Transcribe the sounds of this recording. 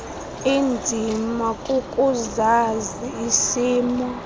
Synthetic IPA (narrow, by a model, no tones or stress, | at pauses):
ind͡zʱimakʼukʼuzaziːsiːmɔ